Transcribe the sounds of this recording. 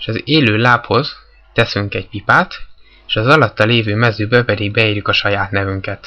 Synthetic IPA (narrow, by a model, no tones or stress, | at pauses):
eʃɒzeːløːlaːpho̞z | t̪ɛsyŋkɛɟ̚pipaːt̪ | eːʃɒzɒlɒt̪ːɒleːvøːmɛzyːbɛpɛd̪iɡ̚bɛiːɾjykɒʃɒjaːt̪nɛvyŋkɛt̪